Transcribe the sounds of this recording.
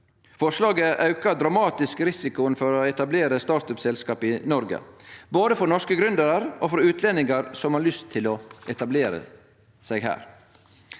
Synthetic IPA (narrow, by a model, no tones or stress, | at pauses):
fɔʂlɑːɡəʔɑʉkəd̪ɾɑmɑːt̪ɪskɾɪsɪkʊnfɔɾoːɛt̪ɑbleːɾəst̪ɑːɾt̪œpsɛlskɑːpɪnɔɾɡə̰boːd̪əfɔɾnɔʂkəɡɾʉnd̪əɾəɾʔoːfɾɔɾʉːt̪ʰlɛnɪŋɑɾsɔmhɑɭʏst̪ʰːɪloːɛt̪ɑbleːɾə̰ | seːɡhæ̰ːɾ